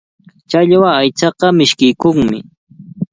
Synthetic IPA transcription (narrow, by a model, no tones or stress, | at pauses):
t͡ʃaʎwaajt͡ʃɑqɑmɪʃkɪjkoŋmɪ̰